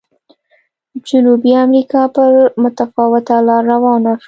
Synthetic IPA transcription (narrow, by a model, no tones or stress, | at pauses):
d͡ʒʊnubiamɾikɑpəɾmʊt̪afɑwɪt̪alɑɾawɑnaʃ